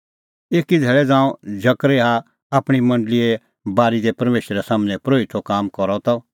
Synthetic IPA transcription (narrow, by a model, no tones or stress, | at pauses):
eːkid̪ʱɛːɭɛd͡zãːũd͡ʒɐkɾeɦa | aːpɽ̃imɐ̃ɳɖəlie | baːɾid̪ɛpɐɾmeːʃɾɛsaːmnɛ̃pɾoːit̪ʰokaːmkɔɾɔt̪ɔ